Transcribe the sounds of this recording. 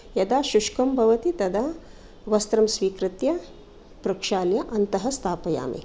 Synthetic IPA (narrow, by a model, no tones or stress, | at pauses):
jɐd̪aːʃuʂkɐmbʱɐʋɐt̪it̪ɐd̪ɐ | ʋɐst̪ɾɐmsʋiːkɾɪt̪jɐ | pɾɐkʂaːljɐʔɐnt̪ɐɦɐst̪ʰaːpɐja̰ːmḭ